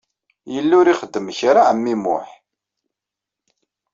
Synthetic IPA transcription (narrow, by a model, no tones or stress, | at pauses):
jəlːʊɾiχəd̪ːəmçɾaʕəmːimʊ̰ħ